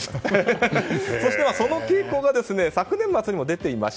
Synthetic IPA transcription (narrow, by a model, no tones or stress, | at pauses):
so̞ɕi̥t̪emaso̞no̞kʲeːko̞ːɡad̪e̞sɨne̞sakɯ̟nẽ̞mːat͡sɨɲ̟imod̪e̞t̪e̞ima̰ɕ